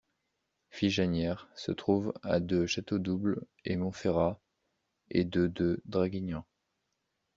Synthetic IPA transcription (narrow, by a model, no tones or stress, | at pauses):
fiʒanjɛʁsət̪χuva̰d̪øʃat̪od̪ubl | emɔ̃feʁa | ed̪ød̪ød̪ʁaɡʲiɲɑ̃